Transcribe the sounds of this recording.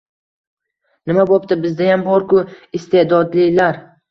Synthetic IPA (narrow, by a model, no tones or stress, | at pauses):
nɪmabɒp̚t̪ɪbɪzd̪ajambɒɾkʰʊɪst̪e̞d̪ɒd̪lɪlaɾ